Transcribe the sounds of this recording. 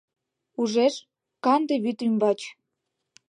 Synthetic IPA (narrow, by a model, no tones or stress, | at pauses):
uʒeʃ | kɑnd̪eβyt̪ymbɑt͡ɕ